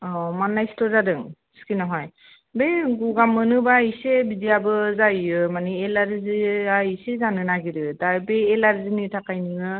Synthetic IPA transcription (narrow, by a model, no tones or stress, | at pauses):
ɔmanːajstɔzadɯŋ | skinɔɦɔj | bejɡuɡamːɯnɯbaisebidijabɯzajɯmaneːlaɾziaisezanɯnaɡiɾɯdaɹbeelaɾzinɯtʰakajnɯŋɯ